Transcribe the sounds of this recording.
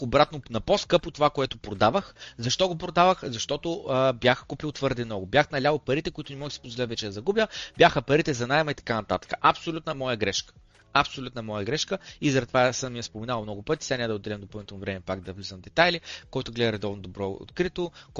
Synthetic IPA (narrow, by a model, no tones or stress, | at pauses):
obɾat̪nonɐposkɤpot̪ovakoɛt̪ʊpɾod̪avəxzɐʃt̪ɔɡopɾod̪avəxzɐʃt̪ɔt̪ʊəbjaxkupilˠt̪v̥ɤɾd̪ɛmnɔɡʊbjaxnɐlʲalopɐɾit̪ɛkoʊit̪ʊnɛmɔɡʲiksi̥pozvolɛt̪vɛt͡ʃɛd̪ɐzɐɡubʲjəbʲjaxəpɐɾit̪ɛzɐnajmɐit̪ɐ̥kanɐt̪at̪ə̥kə̥ʔɐpsolʲut̪nəmɔjəɡɾɛʃkə̥ | ɐpsolʲut̪nɐmɔjəɡɾɛʃkəizɐɾɛɐt̪ovasəmːijɛspomɛnalˠmnɔɡʊpɤt̪ʲi̥sʲanʲɛd̪od̪ɛlʲɛmd̪opəlˠnit̪ɛlˠnovɾɛmɛpaɡd̪ɐvlʲizənvd̪ɛt̪ajlikɔjt̪ʊɡlɛd̪əɾɛd̪ɔvnod̪obɾɔo̰t̪kɾit̪ok